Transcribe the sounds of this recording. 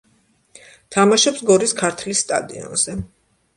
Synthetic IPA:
t̪ʰamaʃɛpsɡɔɾiskʰaɾt̪ʰlisːt̪ʼa̰d̪ḭɔ̰nz̥ɛ

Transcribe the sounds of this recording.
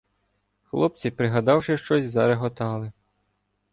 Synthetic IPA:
xlˠɔp̚t͡sʲipɾɪɦɐd̪ɑwʃɪʃt͡ʃɔsʲzɐɾeɦɔt̪ɑlˠɪ

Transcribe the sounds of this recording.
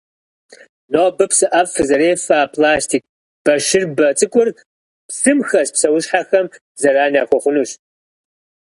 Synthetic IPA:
noːbɨpʰsɨʔɐfɨzɐɾeːfaːpʰlaːstʰiːk̚ʼ | b̥ɐʃɪrbɐt͡sʼɨkʷʼʊr | psɨmxɐspsɐwʊʃħaxɐm | zɐɾaːnaːxʷɔχʷʊnuɕ

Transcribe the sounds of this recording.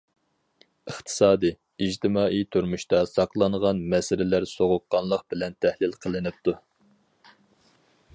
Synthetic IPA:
əχt̪ʰɨ̥sɑːd̪ɨ | id͡ʒt̪ʰɪmɑːʔijt̪ʰuɾmuʃt̪ɑsɑqlˠɑnʁɑnmɛsɪɾɪlæɾsoʁʊqːɑnlˠəq̚bɪlɛnt̪ʰæhlɪlqʰəlˠɨnɨp̚t̪ʰu

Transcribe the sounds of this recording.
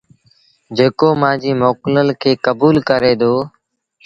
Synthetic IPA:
d͡ʒeːkoːmãːd͡ʒiːmoːkləlkʰeːkəbuːlkəɾeːd̪oː

